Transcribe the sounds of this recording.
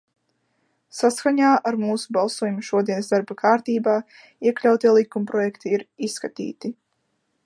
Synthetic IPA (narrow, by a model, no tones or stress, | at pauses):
saskaɲaːʔaɾmuːsubalˠsuɔjumuʃuɔd̪iɛnsd̪aɾbakʰaːɾt̪iːbaː | iɛklʲawt̪iɛlˠikumpɾɔjɛkt̪iiɾisːkat̪ḭːt̪i